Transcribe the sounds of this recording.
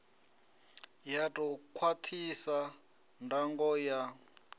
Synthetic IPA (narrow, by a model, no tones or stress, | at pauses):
jatʼɔkʰwatʰisa | ndaŋɡɔja